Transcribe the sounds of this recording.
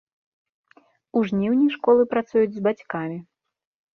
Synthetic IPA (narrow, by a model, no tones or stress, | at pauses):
uʐnʲiwnʲijʂkɔlˠɨpɾat̪sujud͡zʲzbat͡sʲkamʲi